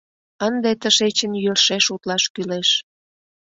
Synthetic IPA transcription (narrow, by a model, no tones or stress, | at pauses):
ənd̪et̪əʃet͡ɕənjørʃeʃut̪lɑʃkyleʃ